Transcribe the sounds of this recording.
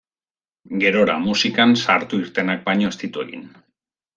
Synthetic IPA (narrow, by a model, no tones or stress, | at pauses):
ɡe̞ɾo̞ɾa̰musikansaɾt̪uiɾt̪e̞nak̚bajɲo̞est̪it̪ue̞̰ɣḭn